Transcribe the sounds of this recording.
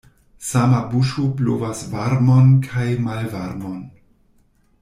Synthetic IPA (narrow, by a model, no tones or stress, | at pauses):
samabuʃoplo̰vasvaɾmonkʰajmalvaɾmon